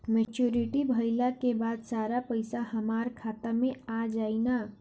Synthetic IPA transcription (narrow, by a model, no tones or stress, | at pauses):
met͡ʃjuɾiʈibʱəɪlakebad̪saɾapəɪsaɦəmaɾkʰat̪əɾmead͡ʒaɪna